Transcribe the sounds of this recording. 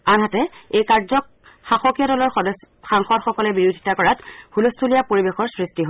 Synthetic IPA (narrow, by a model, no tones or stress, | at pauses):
anɦatɛejkaɹzɔk̚ | xaxokijɔɾɔlɔɹs | xaŋxɔdxɔkɔlɛbiɹudʱi̥takɔɹathulustʰulijapoɹibexɔɹsɹistiɦo